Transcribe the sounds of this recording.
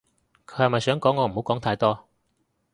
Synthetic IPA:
kʰɵ˨˧˥hɐ˨˩mɐ˨jsœː˨˥ŋkɔː˨˥ŋːɔː˨˧m̩˨˩o˨˥wkɔː˨˥ŋt̪ʰaː˧jt̪ɔː˥

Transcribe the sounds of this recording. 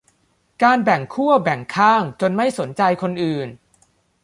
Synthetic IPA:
kaː˧nbɛ˨˩ŋkʰu˥˩ɐbɛ˨˩ŋkʰaː˥˩ŋt͡ɕo˧nma˥˩jso˩˦nt͡ɕa˧jkʰo˧nʔɯː˨˩n

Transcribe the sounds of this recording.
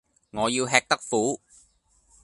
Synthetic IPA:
ŋɔː˨˧jiː˧wɦɛː˧k̚t̪ɐ˥k̚fuː˨˥

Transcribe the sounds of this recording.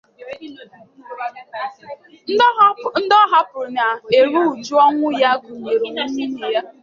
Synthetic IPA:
n̩˦dɔ˦ɦa˦pʊ˨na˨e˨ɾu˦u˨d͡ʒu˦ɔ˦ŋʷʊ˦ja˦ɡʷu˨ɲe˨ɾe˨ŋi˦ɲi˦ne˨ja˦

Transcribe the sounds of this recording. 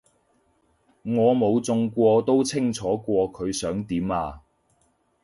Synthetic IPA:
ŋɔː˨˧mo˨˧wt͡sʊ˧ŋkʷɔː˧t̪o˥wt͡sʰɪ˥ŋt͡sʰɔː˨˥kʷɔː˧kʰɵ˨˧ɥsœː˨˥ŋt̪iː˨˥maː˧

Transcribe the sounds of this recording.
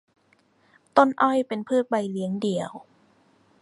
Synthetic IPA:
t̪o˥˩nʔɔ˥˩jpe˧npʰɯː˥˩t̪̚ba˧jli˦˥əŋdi˧˩əw

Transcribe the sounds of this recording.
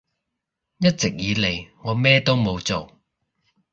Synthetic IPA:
jɐ˥t̚t͡sɪ˨k̚jiː˨˧le˨˩jŋɔː˨˧mɛː˥t̪o˥wmo˨˧wt͡so˨w

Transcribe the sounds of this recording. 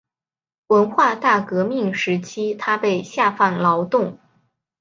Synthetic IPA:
wə˧˥nxwa˥˧t̪a˥˩kɤ˧˥mi˥˩ŋʂɻ̩˧˥t͡ɕʰi˥t̪ʰa˥pe˥˧ɪɕja˥˧fa˥˩nlɑ˧˥ʊt̪ʊ˥˩ŋ

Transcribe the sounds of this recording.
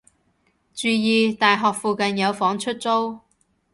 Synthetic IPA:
t͡ʃyː˨˧jiː˨˧t̪aː˨jɦɔː˨k̚fuː˨˧kɐ˨njɐ˨˧wfɔː˨˥ŋt͡ʃʰɵ˥t̚t͡so˥w

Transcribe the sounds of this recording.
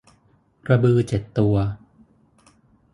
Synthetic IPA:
ɾa˧bɯː˧t͡ɕe˨˩t̪ːu˧ɐ

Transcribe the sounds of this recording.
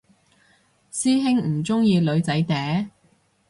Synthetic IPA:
siː˥ɦɪ˥ŋm̩˨˩t͡sʊ˥ŋjiː˧lɵ˨˧ɥt͡sɐ˨˥jt̪ɛː˨˥

